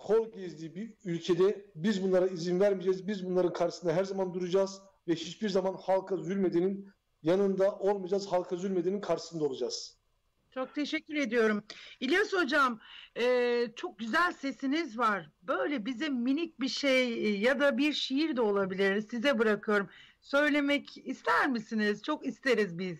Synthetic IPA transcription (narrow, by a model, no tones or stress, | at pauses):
kʰolʲˠɟizlʲiːbiylʲcʰed̪ɛbizbunlˠaɾaizinvæɾmid͡ʒɛzbizbunlˠaɾɯnkʰaɾʃɯsɯnd̪aɦæɾzamand̪uɾud͡ʒaːz | vɛhit͡ʃbiɾzamanhalˠkʰazylʲmed̪enin | janɯnd̪aʔo̞lˠmad͡ʒaːzhalˠkʰazylʲmed̪eninkʰaɾʃɯ̥sɯnd̪aolˠud͡ʒaːz̥ | t͡ʃʰo̞k̚t̪ʰe̞ʃɛcʲːyɾe̞d̪ijo̞ɾumilʲjasho̞d͡ʒamɛːt͡ʃʰo̞k̚ɟyzælʲse̞sinizvaɾ̥bø̞jlʲɛbizimːinic̚biʃejjad̪abiɾʃijiɾd̪ɛo̞lˠabilʲiɾizsizɛbɯɾakʰɯjo̞ɾum | sø̞jlʲe̞mɛcist̪ʰæɾmisinizt͡ʃʰo̞kist̪ʰe̞ɾizbiz̥